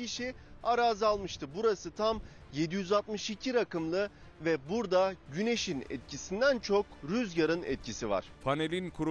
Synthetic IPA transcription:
iʃiaɾaːzalˠmɯʃt̪ʰɯbuɾasɯt̪ʰam | jed̪ijyzalt̪mɯʃicʰiɾakɯmlˠɯ | vɛbuɾd̪aɟyne̞ʃinɛ̰t̪̚cʰisind̪ænt͡ʃʰo̞kɾyzjaɾɯnɛ̰t̪̚cʰisiva̰ɾ̥pʰanelʲinkʰuɾ

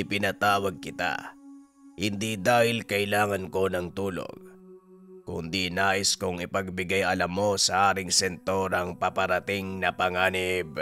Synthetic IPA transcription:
ɪpɪnɐt̪aːwɐɡ̚kɪt̪a̰ | hɪnd̪id̪aːhɪlkɐʔɪlaːŋɐnko̞nɐŋt̪uːlo̰ŋ | kʊ̰nd̪inaːʔɪskʊŋɪpɐɡ̚bɪɡajɐlɐmːo̞sɐʔaːɾɪŋsɛnt̪o̞ɾɐŋpɐpɐɾɐt̪ɪŋnɐpɐŋaːnɪb̚

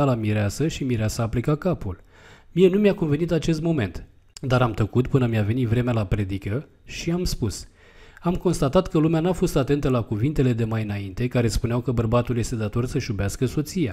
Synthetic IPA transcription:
alamiɾeasəʃimiɾeasəːplekakapul | mienumjakonve̞nit̪at͡ʃe̞st̪mo̞me̞̰nt̪ | d̪aɾamt̪əkut̪pɨnəmijave̞nit̪vɾe̞mealapɾe̞d̪ikə | ʃiamspus | amko̞nst̪at̪at̪kəlumeanuafo̞st̪at̪e̞nt̪əlakuvint̪e̞le̞d̪e̞majɨnaint̪e̞kaɾe̞spuneawkəbərbat̪ulje̞st̪e̞d̪at̪o̞rsəʃubeaskəso̞t̪sija

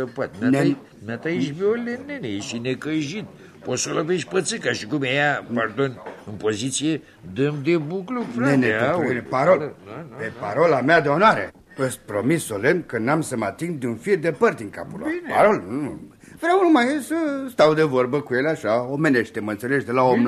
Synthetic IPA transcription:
əpat̪̚mane | mat̪ajiʃ̬beolʲːenːenejeʃinekəʒit̪ | posolopeʃpət̪sɨkaʃikumejapard̪onɨnpozit̪sije | d̪ɨmd̪ebuklupɾeneanpaɾolpepaɾolamead̪eonoaɾe | əst̪̚ʲpɾomisːolenkənamsəmat̪iŋɡd̪eunfid̪epərt̪ʲiŋka̰pulanpaɾolnu | vɾeawnumajesəst̪awd̪evorbəkujeleaʃaomeneʃt̪eməɨnt̪seleʃd̪elaomn

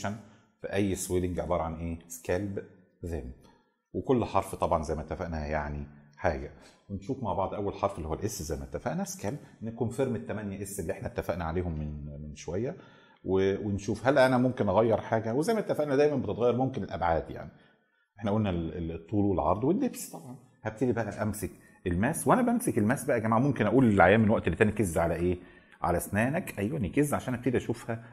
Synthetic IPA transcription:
ʃæn | fiʔæjːsweleŋɡʕḛbɑːɾˤɑʕanʔeːskælb | zæːmæ | wekolːħɑɾˤft̪ˤɑbʕɑnzæjmænet̪ːæfæʔnæjaʕniħaːɡæwenʃuːfmaʕbɑʕd̪ˤʔæwːælħɑɾˤfʔelːihowːælʔesːzæjmænet̪ːæfæʔnæskælbnːækuːnfeɾmet̪ːæmænjæʔesːelːiʔeħnæet̪ːæfæʔnæʕaleːhomːenmenʃowæjːæ | wewenʃuːfhælːæʔænæmomkenʔɑɣæjːeɾˤħaːɡæwezæjmæet̪ːæfæʔnæd̪æjmænbet̪et̪ɣæjːɑɾmomkenelʔæ̰bʕaːd̪ja̰ʕni | ʔeħnæʔæʔolnælet̪ˤːuːlwelʕɑ̰ɾˤd̪ˤwenːebst̪ˤɑbʕɑn | hæb̚t̪ed̪ibæʔæ̰ʔæmsek | ʔelmæːswʔænæbʔæmsekelmæːsbæʔæɡæmaːʕmomkenʔæʔuːlelʕajːæːmːenwæʔt̪elːit̪ːænikezːʕalæʔeː | ʕa̰læsnæːnækʔæjwænikezːʕaʃæːnhæb̚t̪ed̪iʔæʃuːfhæ

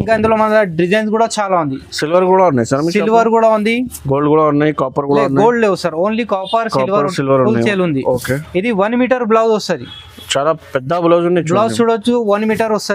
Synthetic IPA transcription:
iŋkaːind̪uloːmɐnɐlɐɖid͡ʒɐjnskuːɽaːt͡ʃaːlaːund̪isɪlʋəɾkuːɽaːʊnːaːjsɐɾɐmsilʋɐɾkuːɽaːund̪iɡoːɭɖkuːɽaːnːaːikaːpəɾkuːɽanɡoːɭɖleːʋusɐɾoːnliːkaːpɐɾslʋɐɾɾsɪlʋəɾuːlt͡ʃeːlund̪ioːkeːid̪iʋɐnmiːʈɐɾblɐwɔst̪ɐd̪i | t͡ʃaːd̪aːpɛd̪ːaːbʊlɐʋd͡ʒunat͡ʃlɐwt͡ʃuːɽɐt͡ʃːuʋɐnmiːʈɐɾɔst̪ɐi

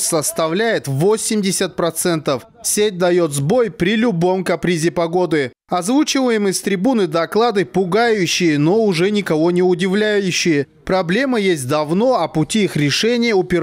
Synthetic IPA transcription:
səst̪ɐvlʲæjɪt̪vosʲɪmdʲɪsʲət̪̚pɾɐt̪sɛnt̪əf | sʲet̚ʲd̪ɐjo̞t̪zbo̞jpɾʲɪlʲʊbo̞mkɐpɾʲizʲɪpɐɡo̞d̪ɨ | ɐzvut͡ɕɪvəjɪmɨsʲt̪ɾʲɪbunɨd̪ɐklˠad̪ɨpʊɡajʊɕːɪjəno̞ʊʐɛnʲɪkɐvo̞nʲɪʊdʲɪvlʲæjʉɕːɪjə | pɾɐblʲe̞məjesʲt̚ʲd̪ɐvno̞ɐpʊtʲiixɾʲɪʂɛnʲɪjəʊpʲɪ

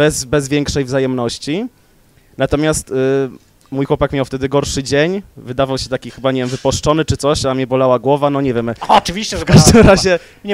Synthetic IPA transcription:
bɛzbɛzvʲjɛŋkʂɛjvzajɛmnɔɕt͡ɕi | nat̪ɔmʲjast̪ | mujxwɔpakmʲjawft̪ɛd̪ɘɡɔɾʂɘd͡ʑeɲvɘd̪avawɕɛt̪akʲixɘbaɲɛvʲjɛmvɘpɔʂt͡ʂɔnɘt͡ʂɘt̪sɔɕamɲɛbɔlawaɡwɔvanɔɲɛvʲjɛmɔt͡ʂɨvʲiɕt͡ɕɛkaʐd̪ɘmɾaʑɛ | ɲ

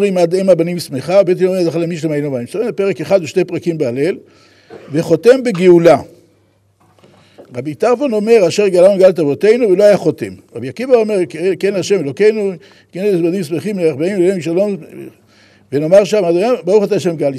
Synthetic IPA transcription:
ʁimad̪emabanimsmeχabet̪inomiazaχalemiʃlemaenomaimsaʁimepeʁekeχad̪uʃnejpʁakimbeale̞l | ve̞χo̞t̪e̞mbeɡeula | ʁabit̪aʁfono̞me̞ʁaʃeʁɡalanuɡalet̪avo̞t̪e̞jnuvelo̞ajaχo̞t̪emʁa̰bjakivaomeʁkkenaʃemelo̞ke̞jnu | kenebanimsmeχimleeχbaimelemiʃalo̞m | veno̞maʁʃamad̪ojabauχat̪aaʃemɡal

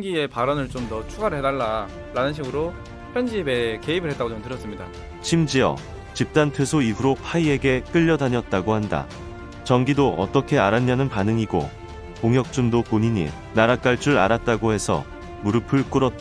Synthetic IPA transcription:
ŋɡie̞paɾʌnɯɭt͡ɕomtʌt͡ɕʰuɡaɾɯɭɦedaɭːa | ɾanɯnɕ̬ʰiɡɯɾo | pʰjʌnd͡ʑibeke̞ibɯɭɦet͈aɡoʌmtɯɾjʌs͈ɯmɲida̰ | t͡ɕʰimd͡ʑiʌ̰ | t͡ɕip̚t͈antʰwesʰoibuɾopʰaie̞ɡe̞k͈ɯʎːʌdaɲʌt̚t͈aɡohanda̰ | t͡ɕʌŋɡidoʔʌ̰t͈ʌkʰe̞aɾaɲːanɯnpanɯŋiɡo̰ | koŋɦjʌk̚t͡ɕ͈undok͈oɲiɲḭ | naɾak͈aɭt͡ɕ͈ʰuɾa̰ɾat̚t͈aɡohe̞sʰʌ̰ | muɾɯpʰɯɭk͈ɯɾʌt̚t͈

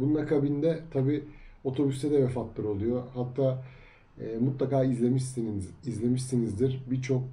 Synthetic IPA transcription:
bununakʰabind̪ɛt̪ʰabiːo̞t̪ʰo̞byst̪ʰɛd̪ɛvɛfat̪lˠɯɾo̞lˠujo̞hat̪ʰːaː | ɛːmut̪lˠakaːizʲemiizlʲe̞miʃsinizd̪iɾbiɾt͡ʃʰo̞k̚

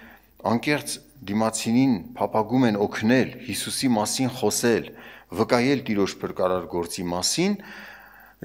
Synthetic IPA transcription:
ɑŋkɛχt͡sd̪imɑt͡sʰininpʰɑpʰɑɡumɛnɔkʰnɛlhisusimɑsinχɔsɛlvəkɑjɛlt̪iɾɔʃpʰəɾkɑɾɑɾɡɔɾt͡simɑsin

